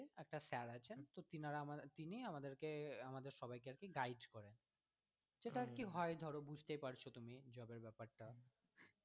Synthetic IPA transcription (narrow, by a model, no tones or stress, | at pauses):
ɛk̚ʈasɛɾat͡ɕʰent̪ot̪inaɾamat̪iniamad̪eɾkeamad̪eɾʃɔbajkeaɾkeɡajɖkɔɾen | d͡ʑet̪aɾkiɦɔed̪ʱɔɾobud͡ʑʱt̪ejpaɾt͡ɕʰot̪umid͡ʑɔbeɾbɛpaɾʈa